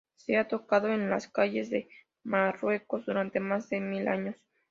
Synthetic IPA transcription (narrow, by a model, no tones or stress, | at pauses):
seat̪o̞kaðo̞enlaskaʝe̞zðe̞ | marwe̞ko̞zd̪uɾant̪e̞mazðe̞mila̰ɲo̞s